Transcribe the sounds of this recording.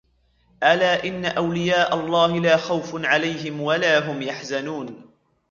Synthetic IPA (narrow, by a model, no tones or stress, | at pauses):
ʔalaːʔɪnːaʔawlɪjaːʔalˤːɑːhɪlaːxawfʕalajɦɪmwalaːɦʊmjaħzanuːn